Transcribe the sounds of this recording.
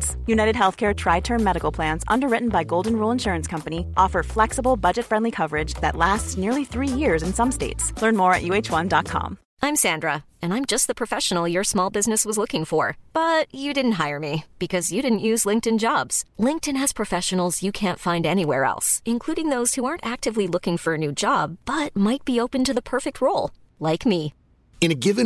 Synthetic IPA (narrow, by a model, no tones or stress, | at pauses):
sjʉnaɪɾɨd̚ɦɛlˠθkʰɛɹtʰɹ̥aɪtʰɜ̃˞nmɛɾɨkl̩ˠpʰl̥æ̃nzʌ̰̃ndə˞ɹɪʔn̩baɪɡoʊlˠdⁿn̩ɹulˠə̃nʃʊɹɨ̃nskʰʌ̃mpɨniʔɔfə˞flɛksəbl̩ˠbʌd͡ʒɨtfɹɛ̃ndˡlikʰʌvə˞ɪd͡ʒðɨ̰tˡlæstsnɪɹlˠiθɹijɪɹzɨ̃nsʌ̃msteɪtslɜ̃˞nmɔɹɨ̰ʔjʉeɪt͡ʃwʌ̃ndɑt̚kʰɑ̰̃m | ʔãɪ̃msæ̃ndɹə | ɨ̃nãɪ̃md͡ʒʌst̪̚ðəpʰɹ̥ɨfɛʃn̩l̩ˠjə˞smɔlˠbɪznɨswʌzlʊkɪ̃ŋfə˞b̥ʌt͡ʃɨdɪdⁿn̩t̚ɦaɪə˞mib̥ɨkʰʌzjɨɾɪdⁿn̩ʔjʉzlɪ̃ŋk̚tɨ̃nd͡ʒɑbz̥lɪ̃ŋk̚tɨ̃nɨz̥pʰɹ̥ɨfɛʃɨn̩l̩ˠzjɨkʰæ̃ntfãɪ̃ndɛñiwɛ̰ɹɛ̰lˠsɨ̃nkʰl̥uɾɪ̃ŋðoʊz̥huɑɹntæk̚tɨvlilʊkɪ̃ŋfə˞ɨnʉd͡ʒɑb̚b̥ʌt̚maɪt̚b̥ioʊpɨ̃ntɨðəpʰɜ˞fɨk̚t̚ʰɹoʊlˠ | laɪkmi | ɨ̃nɨɡɪvɨ̃